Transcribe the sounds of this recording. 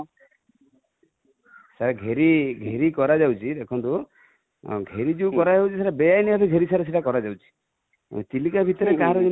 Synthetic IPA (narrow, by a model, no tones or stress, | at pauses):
saɾɡʱeɾiɡʱeɾikɔɾad͡ʒawt͡ʃʰid̪ekʰɔnt̪u | ɡʱeɾid͡ʒiwkɔɾad͡ʒawt͡ʃʰisaɾebejajniat̪eɡʱeɾisaɾes̬eʈakɔɾad͡ʒawt͡ʃʰi̥ | t͡ʃilikabʱit̪ɔɾekaɦaɾɔd͡ʒe